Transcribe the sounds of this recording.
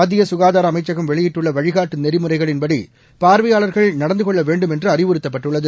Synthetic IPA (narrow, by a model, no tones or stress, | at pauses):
ɐd̪ːɪjɐsʊɣaːðaːɾɐmɐɪt͡ʃːɐɣɯmʋɛɭɪjɪʈːɯɭːɐʋɐɻɪɣaːʈːɯnɛɾɪmɯrɐɪɣɐɭɪnbɐɽi | paːɾʋɐjaːɭɐɾɣɐɭnɐɽɐnd̪ɯkɔɭːɐʋeːɳɖɯmɛndrɯɐrɪʋɯɾɯt̪ːɐp̬ːɐʈːɯɭːɐðɯ